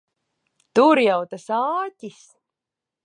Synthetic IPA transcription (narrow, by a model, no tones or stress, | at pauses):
t̪uɾjɑwt̪asɑːt̪ʲis